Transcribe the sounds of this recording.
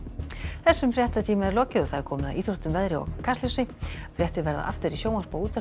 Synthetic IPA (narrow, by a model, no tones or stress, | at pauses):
θɛsːʏmfɾjɛht̪at̪ʰiːmaɛɾlɔːcɪðɔɣθaðɛɾkʰɔːmɪða̰ðiːθɾoht̪ʏmvɛðɾɪɔ̰ɣkʰast̪ɪsɪfɾjɛht̪ɪðvɛɾða̰ʔa̰ft̪ʏɾisjoːwmaspːuːt̪a